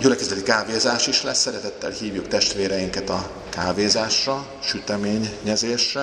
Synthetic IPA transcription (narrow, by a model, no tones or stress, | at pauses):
ɟylɛkɛzɛt̪ikaːveːzaːʃiʃlɛsːɛɾɛt̪ɛt̪ːɛ̰lhiːvjukt̪ɛʃt̪ʋeːɾɛjiŋkɛt̪ɒ | kaːveːzaːʃrɒ | ʃyt̪ɛmeːɲːɛzeːʃrɛ